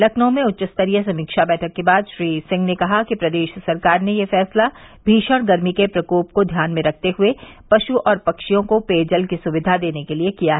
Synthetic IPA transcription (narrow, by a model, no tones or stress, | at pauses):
lɐkʰnõmẽʊtːt͡ʃəst̪əɾijəs̬ɐ̃mikʃabɛːʈʰəkːebaːd̪ʃɾiːsɪ̃ŋɡnekɐɦakipɾɐd̪eːʃsɐɾkaːɾnejefɛːsla | bʱiːʃəɽ̃ɡɐɾmikepɾɐkoːp̚kod̪ʱjaːnmẽɾɐk̚ʰt̪eɦʊe | pɐʃuʔɔːɾpɐkʃijõkopeːd͡ʒəlkisʊʋɪd̪ʱad̪eːnekeliekijaɦɛ